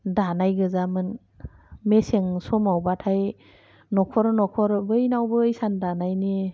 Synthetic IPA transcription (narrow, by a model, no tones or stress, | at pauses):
danajɡɯzamɯn | meseŋsɔmawbatʰaj | nɔkʰɔɾnɔkʰɔɾbɯjnawbɯːjsandanajni